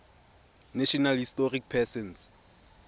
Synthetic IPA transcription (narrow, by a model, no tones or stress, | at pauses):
naʃɔnalhistɔrik̚pʰɛsɛns